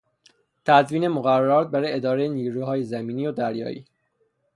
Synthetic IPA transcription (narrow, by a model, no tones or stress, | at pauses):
t̪ʰæzviːne̞moɣæræːɒːt̪̚bæɾɔed̪ɒːɾejeniːɾuːhɒːjezæmiːniːod̪æɾjɒ̰ːḭː